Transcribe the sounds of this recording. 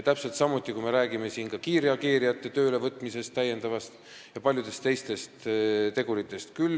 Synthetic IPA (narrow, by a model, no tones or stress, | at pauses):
t̪æpse̞lt̪sɑmut̪ʲːˑikujme̞ɾæːɡ̥ime̞siːnkɑkiːɾiɑkiːɾijɑt̪ːˑe̞t̪ø̞ːlevɤt̪ːˑmise̞st̪ːæjːe̞nd̪ɑvɑst̪ | jɑpɑlʲjud̪e̞st̪e̞jst̪e̞stt̪t̪e̞ɡ̥uɾit̪ːˑe̞st̪kyl